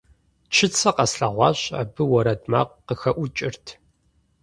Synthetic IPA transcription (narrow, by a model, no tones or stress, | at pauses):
t͡ʃʰɪt͡sʰɐqɐsɬɐʁʷɑːɕʼa̰bɨwɔɾɐdʼma̰ːqːəxɐʔʷʊt͡ʃʼɪrtʰ